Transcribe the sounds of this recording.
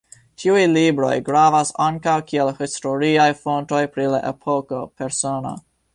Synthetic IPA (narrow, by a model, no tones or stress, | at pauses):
tʰiujlibɾo̞̰jɡɾavasaŋkawkielhisto̞ɾiajfonto̞jpɾila̰ʔḛpʰo̞kope̞ɾsona̰